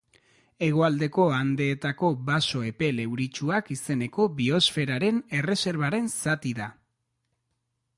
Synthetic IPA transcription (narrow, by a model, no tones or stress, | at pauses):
e̞ɣ̞o̞ald̪e̞ko̞and̪e̞ːt̪ako̞βaso̞e̞pe̞le̞wɾit͡ʃuakise̞ne̞ko̞βio̞sfe̞ɾaɾe̞ne̞re̞se̞ɾβaɾe̞nsat̪iða